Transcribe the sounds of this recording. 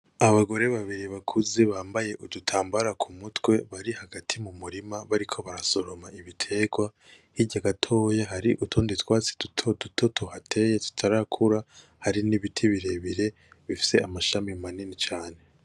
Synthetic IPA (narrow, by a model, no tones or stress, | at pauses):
aβaɡo̞ɾe̞βaβiɾiβakʰuzeβaːmbaje̞ʔudutʰaːmbaɾakʰumutwe̞βaɾihaɡatʰimumuɾimaβaɾikʰo̞βaɾaso̞ɾo̞maiβitʰe̞ɡwa | hiɟaɡatʰo̞jaɦaɾiʔutʰoːnditwaːt͡si̥d̥utʰo̞dutʰotʰo̞hatʰe̞jetu̥tʰaɾakʰuɾa | haɾiniβitʰiβiɾe̞βiɾe̞ | βifi̥se̞amaʃamimaninit͡ʃaːne̞